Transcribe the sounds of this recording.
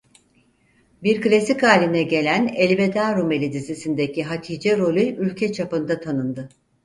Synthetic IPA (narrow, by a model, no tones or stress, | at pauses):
biɾklʲesikaːlʲinɛɟe̞lʲænelʲbe̞d̪aːɾumelʲid̪izisind̪ecʰiɦat̪ʰiːd͡ʒɛɾo̞lʲyʔylʲcʰɛt͡ʃʰapɯnd̪at̪ʰanɯnd̪ɯ